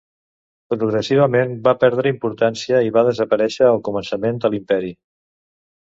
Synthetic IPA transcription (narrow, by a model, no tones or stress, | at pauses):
pɾuɣɾəsiβ̞əmenbapɛɾð̞ɾəimpuɾt̪ansiəiβaðəzəpəɾɛʃəːlˠkumənsəmend̪əlimpɛɾi